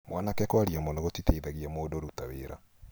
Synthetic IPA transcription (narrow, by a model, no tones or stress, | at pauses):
mwanakɛkwaɾiamonoɣotiteiðaɣiamoːdoɾutaweːɾa